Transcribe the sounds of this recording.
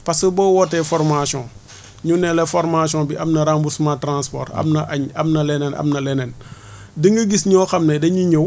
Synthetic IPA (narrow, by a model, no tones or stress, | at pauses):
pɐsəbɔwɔtɛfɔrmasɔ̃ | ɲunɛlɛfɔɾmasɔ̃ːbiʔɐmnɐɾambusmatɾãnspɔ̰ːtɐ̰mnɐʔaɲɐmnɐlɛnɛnʔɐ̰mnɐlɛnɛn | dəŋɡəɡisɲɔːxɐmnedɐɲuɲo